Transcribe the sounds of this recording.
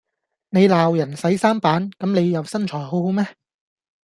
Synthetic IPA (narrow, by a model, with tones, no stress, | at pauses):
ne˨˧jlaː˨wjɐ˨˩nsɐ˨˥jsaː˥mpaː˨˥nkɐ˨˥mne˨˧jːjɐ˨wsɐ˥nt͡ʃʰɔː˨˩jɦo˨˥who˨˥wmɛː˥